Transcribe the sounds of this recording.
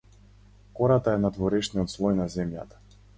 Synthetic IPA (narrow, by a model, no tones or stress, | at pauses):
kɔɾat̪aɛnat̪vɔɾɛʃniɔt̪slˠɔjnazɛmja̰t̪ḁ